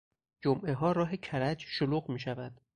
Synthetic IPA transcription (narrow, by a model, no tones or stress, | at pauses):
d͡ʒomʔe̞ɦɒːɾɒːɦecʰæɾæd͡ʒʃoluːɣmiːʃævæd̪̥